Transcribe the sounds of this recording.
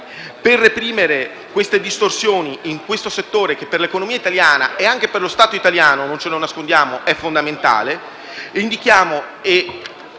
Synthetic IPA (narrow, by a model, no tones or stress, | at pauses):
perːepɾiːmeɾe | kwest̪ed̪ist̪orsjoːniiŋkwest̪oset̪ːoːɾek̟epːerlekonomiːait̪aljaːna̰ʔeaŋk̟eperlost̪aːt̪oit̪aljaːnonont͡ʃelonːaskond̪jaːmoʔɛfːond̪ament̪a̰ːle | ind̪ikjaːmo | e